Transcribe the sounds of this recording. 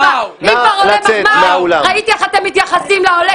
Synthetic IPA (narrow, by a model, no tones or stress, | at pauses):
amikvaʁolemmamaulaʁait̪iaχat̪emːit̪jaχasimlaole